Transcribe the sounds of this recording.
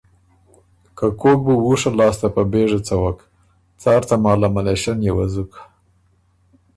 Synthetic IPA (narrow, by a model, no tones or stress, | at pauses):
kakok̚buwuʂalɑst̪apəbeʐat͡sawak | t͡sɑɾt̪amɑlamaleʃanjewazukḁ